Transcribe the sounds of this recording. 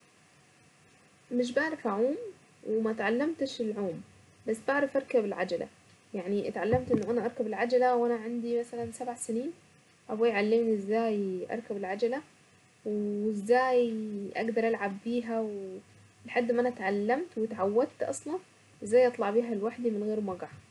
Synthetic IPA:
mɪʃ̬baʕɾˤɑfaʕuːm | wɪmat̪ʕalːamt̪ɪʃɪlʕuːm | basːbaʕɾˤɑfʔɑɾkabɪlʕa̰d͡ʒalʔa̰ | jaʕniʔt̪ʕalːamt̪ʔɪnːʊʔanaʔɑɾˤkabɪlʕad͡ʒalawʔanaʕand̪imasalansabʕasɪniːn | ʔabajʕalːɪmniʔɪzːaːjʔɑ̰ɾˤkabɪlʕad͡ʒala | wɪzːaːjʔa̰ɡd̪ɑɾˤʔalʕabːiːɦaw | lħad̪ːʔɪmːʔanat̪ʕalːamt̪wɪt̪ʕawːad̪̚t̪ʔɑ̰sˤlɑn | ʔɪzːaːjʔɑt̪ˤlɑʕbiːɦalwaħd̪imɪnɣeːɾmɑɡaʕ

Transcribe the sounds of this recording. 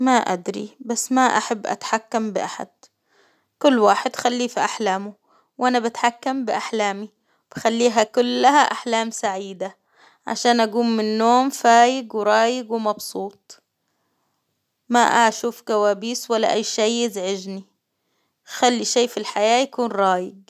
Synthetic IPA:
maʔa̰d̪ɾḭbasːmaʔa̰ħabːʔa̰t̪ħakːambɪʔaħa̰d̪̥̚ | kʊlːwaːħɪd̪xalːiːfiʔaħlaːmʊ | wʔanabat̪ħakːambɪʔaħlaːmi | b̥ɪxalːiːɦakʊlːaɦaʔaħlaːmsaʕiːd̪a | ʕa̰ʃaːnʔaɡuːmːɪnːoːmfaːjɪɡwɾˤɑːjɪɡwmɑbsuːt̪̚ˤ | maʔaʃuːfɡawaːbiːswalːa̰ʔajːʃejːɪzʕɪʒni | xalːiʃeːfilħajaːjakuːnɾˤɑːjɪɡ̚

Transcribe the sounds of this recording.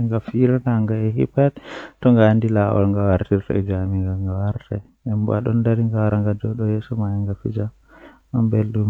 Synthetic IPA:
ŋɡafiɾanaŋɡaɛhḭpattɔŋɡaːndilawɔ̰lŋɡawaɾtiɾtɔ̰ɛd͡ʒamiŋɡaŋɡawaɾtɛ̰ | ɛmba̰ɗɔ̰ndaɾiŋɡawaɾaŋɡadɔɗɔjɛsɔmajaŋɡafḭd͡ʒa | ambelɗum

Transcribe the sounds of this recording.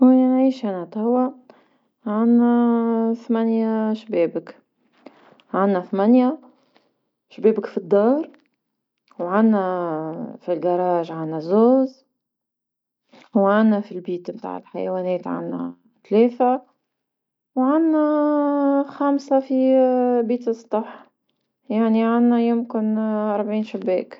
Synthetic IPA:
wæænʕiːʃʔænæt̪ˤawːa | ʕanːæθmænjaʃbɛːbək | ʕanːæθmænja | ʃbɛːbɪkfid̪ˤːɑːɾˤ | wʕanːæ | filɡɑɾˤɑːʒʕanːæzoːz | wʕanːæfilbiːt̪mt̪a̰ːʕɪ̰lħajwɛːnɛːt̪ʕa̰nːæ̰ | t̪lɛːθa | wʕanːæ | xamsafibiːt̪ɨsˤt̪ˤɑħ | jaʕniʕanːæjʊmkɪnɑɾˤbʕiːnʃabːɛːk

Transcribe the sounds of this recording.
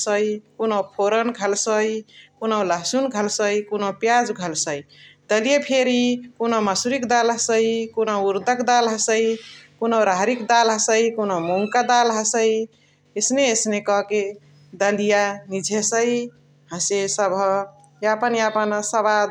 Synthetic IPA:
səjkonəwpʰoɾənɡʱəlsəjkonəwləɦsunɡʱəlsəjkonopjad͡ʒɡʱəlsəjd̪əlijepʰeɾikonəməsuɾikd̪alɦəsəjkonəwuɾd̪əkd̪alɦəsəjkunəwɾaɦɾikd̪alɦəsəjkonomuŋkad̪alɦəsəj | esneesnekɔke | d̪əlijanid͡ʒʱesəj | ɦə̃sesəbʱə | japənjapənsəβad̪

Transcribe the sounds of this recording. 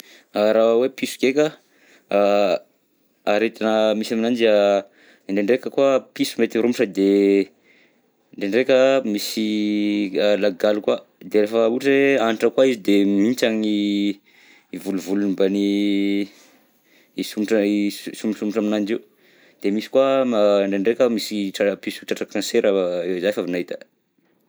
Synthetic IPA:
aɾawepisu̥kekʲə | aɾet̪anəmisaminand͡ʒia | iɳɖ͡ʐeɳɖ͡ʐekʲəkuapisumet̪iɾumuʈ͡ʂəd̪e | ɳɖ͡ʐeɳɖ͡ʐekʲəmisi | laɡalukwa | d̪eɾefəuʈ͡ʂeaniʈ͡ʂəkwaizid̪emint͡ʃaŋi | vuluvulunimbani | isumiʈ͡ʂəisumsumiʈ͡ʂaminand͡ʒiu | d̪̥emisi̥kwaaɳɖ͡ʐeɳɖ͡ʐekʲəmisiʈ͡ʂapisuʈ͡ʂaʈ͡ʂakanseɾəezajfavinaɦit̪ə̥

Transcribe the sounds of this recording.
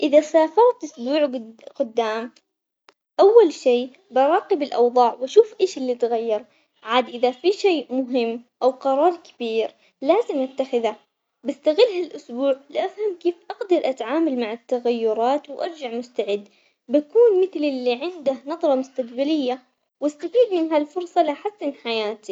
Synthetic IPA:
ʔɪðasaːfaɾt̪ʔʊsbuːʕqʊd̪ːaːm | ʔawːalʃiː | bɑɾˤɑːqɪbɪlʔɑwðˤɑːʕwaʃuːfʔeːʃɪlːit̪ɣajːɑɾˤ | ʕaːd̪ʔɪðafiʃeːmʊɦɪmːʔawqɑɾˤɑːɾˤkɪ̥b̥iːɾ | laːzɪmʔat̪ːaxɪða | bast̪aɣɪlːhalʔʊsbuːʕlɪʔafhamkeːfʔɑqd̪ɑɾˤʔat̪ʕaːmalmaʕɪt̪ːaɣajːʊɾˤɑːt̪wʔɑɾˤd͡ʒaʕmʊst̪aʕɪd̪ː | bakuːnmɪθlɪlːiʕɪnd̪ahnɑðˤɾˤɑmʊst̪aqbalɪjːa | wast̪afiːd̪mɪnɦalfʊɾsˤɑlaħasːɪnħajaːt̪i

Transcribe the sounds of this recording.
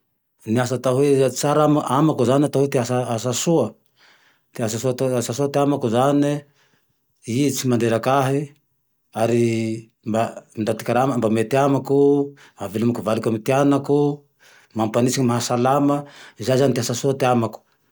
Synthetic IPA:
niasat̪aɦet͡saɾamaʔamakuzanat̪aɦet̪easaasasuə | t̪easasuasasuat̪eamakuzani | it͡simand̪eɾakaɦi | aɾi | mbamind̪at̪i̥kaɾamambamet̪iamaku | avelumakuvalikamit̪ianaku | mampanisiŋimaɦasalaməizazanit̪eɦasasuat̪eamaku̥

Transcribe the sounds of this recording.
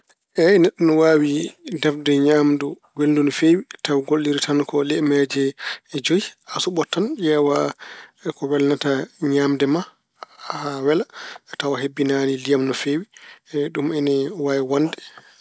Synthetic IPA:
ʔɛnɛɗːunɔwaːwidɛfdɛɲaːmdu | ɡeldunɔfewitawɡolːiɾitankɔlɛmɛd͡ʒɛd͡ʒojiasuɓɔtːanjɛwa | kɔwɛlnataɲaːmdɛma | hawɛlatawaɦebːinanilijamnɔfewiɗumɛnɛwaːwiwandɛ

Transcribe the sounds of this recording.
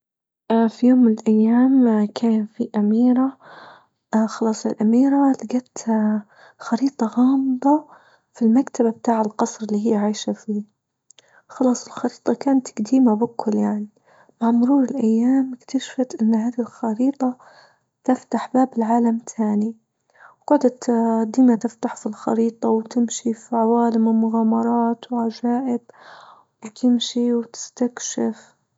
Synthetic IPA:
ʔfijoːmːɪnɪlʔajːaːmkʰaːnfiʔamiːɾa | xɑlɑːsˤɪlʔamiːɾalɪɡat̪ | xɑɾiːt̪ˤɑɣɑːmɨd̪ˤɑ | filmakt̪ababt̪aːʕalqɑsˤɾɪlːiːɦɪjːʕaːʃafiː | xɑlɑːsˤɪlxɑɾiːt̪ˤɑkaːnat̪ɡ̥d̪iːmabɪkːʊljaʕni | maʕmʊɾuːɾɪlʔajːaːmɪkt̪aʃfat̪ʔɪnːɦaːd̪ilxɑɾiːt̪ˤɑ | t̪ɪft̪aħbaːbɪlʕaːlamt̪ʰaːni | ɡʊʕd̪at̪d̪iːnat̪ɪft̪aħfilxɑ̰ɾiːt̪ˤɑwt̪ɪmʃifiʕawaːlɪmɪlmʊɣaːmɑɾˤɑːt̪wʕad͡ʒaːʔɪb | wt̪ʰɪmʃiwt̪ɪ̥st̪akʃaf

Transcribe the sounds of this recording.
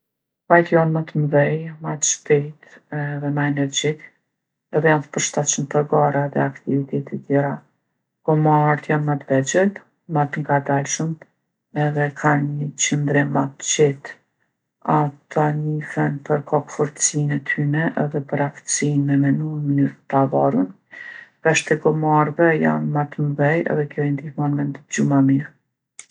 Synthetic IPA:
vajt̪janmat̪əmðɛjmat̪əʃpɛjt̪ɛðɛmaɛnɛɾd͡ʒi | ɛðɛjant̪ə̥pəɾʃt̪at͡ʃənpəɾɡaɾaðɛakt̪ivit̪ɛt̪ʰɛt̪jɛɾa | kɔmaɾt̪janmat̪vɛd͡ʒɛt̪ | mat̪əŋɡad̪alʃəm | ɛðɛkʰanɲət͡ɕənd̪ɾɛmat̪t͡ɕɛt̪ | at̪ʰaɲifɛnpəɾkʰɔkfɔɾt̪ə̥sinɛt̪ʰynɛʔɛðɛpəɾaft̪ə̥sinmɛmɛnuɛmənyɾət̪avaɾun | kaʃt̪ɛɡɔmarvɛja̰nmat̪mvɛjɛ̰ðɛkjɔɛnd̪ihmɔnmɛnd̪d͡ʑumamiɾ

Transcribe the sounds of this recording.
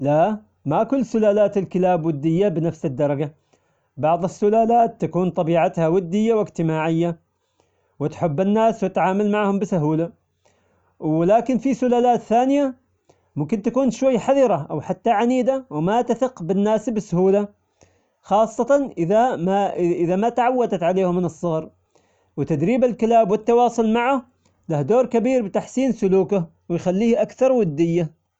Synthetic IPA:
la | makʊlːsʊlaːlaːt̪ɪlkɪlaːbwɪd̪ːɪjːabɪnafsɪd̪ːɑɾˤɑɡa | bɑʕðˤɪsːʊlaːlaːt̪ːakuːnt̪ˤɑbiːʕat̪hawɪd̪ːɪjːawɪɡt̪ɪmaːʕɪjːa | wɪt̪ħʊbːɪnːaːswɪt̪ʕaːmalmaʕhʊmbɪsʊɦuːla | wɪlaːkɪnfisʊlaːlaːt̪θaːnɪja | mʊmkɪnt̪akuːnʃwajːħaðɑɾˤɑʔawħat̪ːaʕaniːd̪awɪmat̪aθɪqbɪnːaːsbɪsʊhuːla | xɑːsˤːɑt̪ɑnʔɪðamaɪʔɪðamat̪aʕawːad̪at̪ʕaleːhʊmːɪnɨsˤːɑɣɑɾˤ | wɪt̪ad̪ɾiːbalkɪlaːbwɪt̪ːɑwɑːsˤʊlmaʕah | lahd̪oːɾkabiːɾbɪt̪aħsiːnsʊluːkʊ | wɪjxalːiːhʔakθɑɾˤwad̪ːɪjːa

